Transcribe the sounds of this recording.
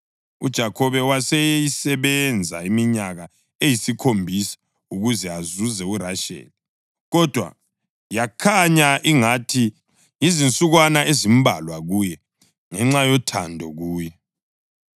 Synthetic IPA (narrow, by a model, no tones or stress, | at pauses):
ud̥ʒ̥ʱakʰɔβɛwasɛjisɛβɛnd͡zʱa̰imiɲaɣa | ejisikʰombʱisḁ | uɣuzɛazuzɛuɾaʃɛ̰ːli | ɣɔd̥ʱwa̰ | jakʰaɲaʔiŋatʰi | jizint͡sʼuɣwanaezimbʱa̰lwaɣuːjɛ | ŋɛŋ͡ǁajɔtʰandʱɔɣuːjɛ